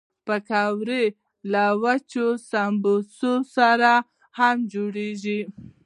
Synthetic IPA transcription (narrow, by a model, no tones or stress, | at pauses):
pəkawɾe | lawat͡ʃosambososaɾa | hamd͡ʒoɽeʒi